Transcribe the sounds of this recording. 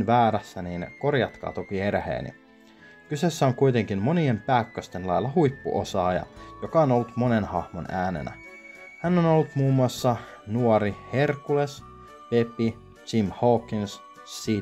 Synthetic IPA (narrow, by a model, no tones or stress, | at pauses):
nʋæːɾæsːæniːnko̞rjɑt̪kɑ̰ːt̪okie̞ɾhḛːnḭ | kyse̞sːæoŋkujt̪e̞ŋkinmo̞nie̞mpæːkːøst̪e̞nlɑjlːɑhujpːṵʔo̞̰sɑːjɑ̰jo̞kɑono̞lːut̪mo̞ne̞nhɑhmonæːne̞̰næ̰ | hænːo̞no̞lːut̪muːmːuɑsːɑ | nuoɾihe̞rkules | pe̞pːi | t͡ʃimhokːins | i